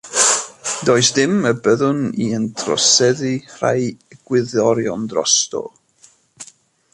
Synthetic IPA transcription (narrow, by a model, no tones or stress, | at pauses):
doːɨsd̥ɪməbəðʊniəntʰrɔ̰sɛðir̥a̰jɡ̥wɪðɔɾjɔndrɔ̰stɔ̰